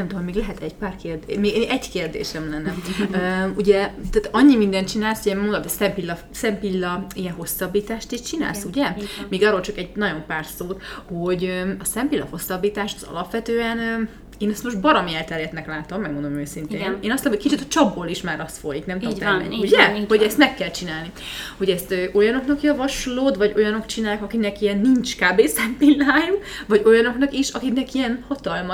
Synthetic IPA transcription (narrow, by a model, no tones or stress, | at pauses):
ɛmt̪oomeːɡlɛɦɛt̪ɛɟpaːrkeːrd̪emeːɡeːʔɛɟkeːrd̪ḛːʃɛmlɛnːɛøːuɟɛt̪aːt̪ɒɲːimind̪ɛnt̪t͡ʃinaːlshojɛmmond̪ot̪ːɛsɛmpilːɒ | sɛmpilːɒijɛnɦo̞sːɒbːiːt̪aːʃt̪iʃt͡ʃina̰ːlsuɟɛmiːɡɒːrolt͡ʃɒkɛɟnɒɟo̞mpaːrsoːt̪ho̞ɟøɒsɛmpilːɒ̰ho̞sːɒbːiːt̪aːʃt̪ɒzɒ̰lɒpʋɛt̪øːɛnː | eːnɛst̪moʒbɒɾɒmiɛlt̪ɛɾjɛt̪nɛklaːt̪o̞mːɛɡ̚mo̞nd̪omøːsint̪eːneːnɒst̪ːlːmhocʲkit͡ʃit̪ɒt͡ʃɒbːoːliʃmaːɾɒst̪fojiknɛmt̪omɛ̰ɲːuɟɛho̞ɟɛst̪mɛkːɛlt͡ʃinaːlni | hoɟɛst̪øːʔo̞jɒno̞knɒkjɒvɒʃloːd̪vɒɟo̞jɒno̞kt͡ʃinaːjaːkɒkiknɛkijɛnːint͡ʃkaːbeːsɛmpilːaːjuvɒɟo̞jɒno̞knɒkiʃɒkiknɛkijɛnhɒt̪ɒlmɒ